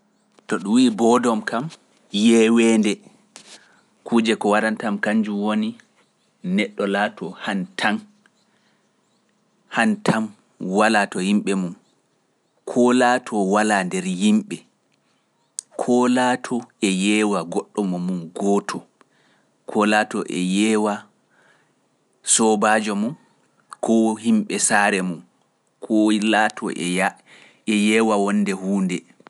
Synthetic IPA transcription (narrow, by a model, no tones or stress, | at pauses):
tɔɗuwiːbɔdɔmkam | jɛːwɛːndɛ | kʰud͡ʒɛkɔwaɾantamkaɲd͡ʒumwoni | nɛɗːɔlatʰɔhantʰan | hantʰam | walatɔhimɓɛmum | kʰɔlatʰɔwalandɛɾjimɓɛ | kʰɔlaːtʰɔɛjɛːwaɡɔɗːɔmɔmunɡɔːtʰɔ | kʰɔlaːtɔʔɛ̰jɛːwa | sɔbaːd͡ʒɔmun | kʰɔhimɓɛsaːɾɛmun | kʰɔlatʰɔ̰ʔɛa | ɛjɛːwawɔnːdɛhuːndɛ